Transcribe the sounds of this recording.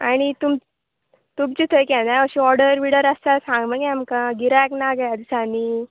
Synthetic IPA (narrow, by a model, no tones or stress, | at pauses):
aɽ̃it̪um | t̪umt͡ɕit̪ʰəjkɛ̃d̪aəɕĩɔɾɽəɾʋiɽəɾastalsãŋɡməɡɛ̃amkaɡiɾaknaɡaad̪isaniː